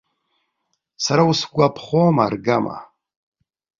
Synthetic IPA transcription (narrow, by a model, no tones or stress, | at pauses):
saɾausɡʷapʰχoma̰rɡama̰